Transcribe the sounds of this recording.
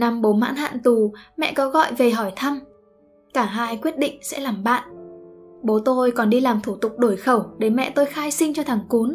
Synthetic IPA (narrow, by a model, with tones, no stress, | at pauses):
na˧mɓo˨˦ma̰ː˧˥nha̰ː˧˨nt̪u˨˩mɛ̰˧˨kɔ˨˦ɣɔ̰˧˨jve˨˩ɦɔ˧˩jt̪ʰa˧m | kaː˧˩ɦaː˧jkwi˦˥ət̚ɗḭ̈˧˨ŋ̟sɛ̰˧˥laː˨˩mɓa̰ː˧˨nʔ | ɓo˨˦t̪o˧jkɔ˨˩nɗi˧laː˨˩mt̪ʰu˧˩t̪ʊ˨˩k͡p̚ɗo˧˩jxə˧˩wɗe˧˩mɛ̰˧˨t̪o˧jxaː˧jsï˧ŋt͡ɕɔ˧t̪ʰaː˨˩˦ŋku˨˦n